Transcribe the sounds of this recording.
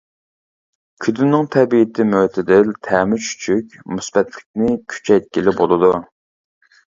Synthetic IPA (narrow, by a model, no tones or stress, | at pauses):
kʲʰyd̪ynːɪŋt̪ʰɛbijɪt̪ʰɪmøt̪ʰɪd̪ɪlt̪ʰæːmyt͡ʃʰy̥t͡ʃʰykʲmusbɛt̪lɪk̚ʲnɪkʲʰy̥t͡ʃʰɛjt̪̚kʲilɪbolˠɨd̪u